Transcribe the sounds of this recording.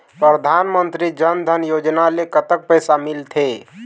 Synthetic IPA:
pɾəd̪ʱanmənt̪ɾid͡ʒənd̪ʱənjod͡ʒnalekət̪ək̚pəjsamilt̪ʰe

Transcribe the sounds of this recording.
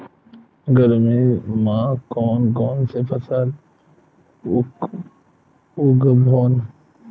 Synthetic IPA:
ɡəɾmẽːmãːkoːnkoːnsepʰəsəl | ʊɡəbʱoːn

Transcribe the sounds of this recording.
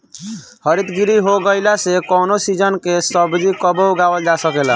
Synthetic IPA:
həɾit̪ɡiɾiɦoɡəɪlasekɔnosid͡ʒənkesəbd͡ʒikəbəwɡawəld͡ʒasəkela

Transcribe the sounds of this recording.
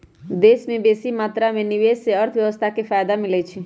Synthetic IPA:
d̪eːsmẽbeːsimaːt̪ɾamẽniʋeːsseəɾt̪ʰʋjəʋəst̪ʰakepʰaːjd̪amɪlɛt͡ʃʰi

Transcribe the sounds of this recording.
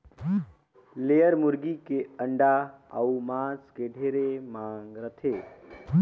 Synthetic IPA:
leəɾmuɾɡikeəɳɖaə̰umaskeɖʱeɾemaŋɡɾət̪ʰe

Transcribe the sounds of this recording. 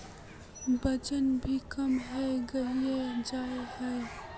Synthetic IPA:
bəd͡ʒənbʱikəmɦɛeɡəied͡ʒaːehɛe

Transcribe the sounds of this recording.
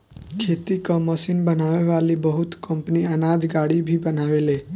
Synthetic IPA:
kʰeːt̪ikoməsiːnbənaːʋeʋaːlibəɦʊt̪kə̃mpəniɐnaːd͡ʒ̪ɡaːɽibʱibənaːʋeːleː

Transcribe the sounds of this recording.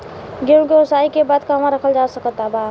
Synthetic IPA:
ɡẽɡesaikebad̪kamaɾəkʰəld͡ʒasəkət̪ːaba

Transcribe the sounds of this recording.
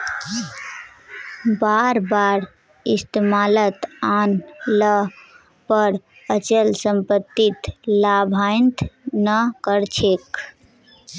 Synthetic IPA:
baɾbaɾ | ist̪emalət̪anlə | pəɾ | ət͡ʃəlsəmpət̪ːit̪labʱaɪnt̪nəkəɾt͡ʃʰek

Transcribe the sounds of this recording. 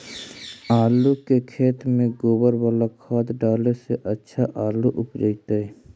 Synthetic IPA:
aːlukekʰeːt̪mẽɡoːbəɾwəlakʰaːd̪ɖaːleseʔətːʃʰaʔaːluʔʊpd͡ʒəit̪aɛ

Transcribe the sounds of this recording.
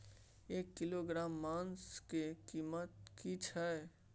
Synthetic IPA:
eːkːiloɡɾaːmːaːnskekiːmət̪̚kit͡ʃʰɛ

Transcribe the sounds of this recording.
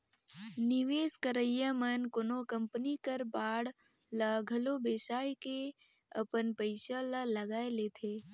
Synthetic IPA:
niʋeːskəɾəjəmənkonokəmpənikəɾbaːɽ | ləɡʱəlobeːsaːjke | ə̰pənpəɪʃələləɡaːeleːt̪ʰeː

